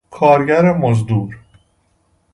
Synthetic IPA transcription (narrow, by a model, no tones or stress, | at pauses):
kʰɒːɾɟæɾemozd̪uːɾ